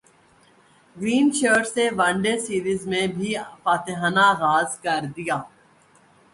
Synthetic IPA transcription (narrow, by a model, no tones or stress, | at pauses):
ɡɾiːnt͡ʃəːɖseʋə̃ɳɖesiːɾizmẽbʱifaːt̪eɦanaɣaːzkəɾd̪ɪjaː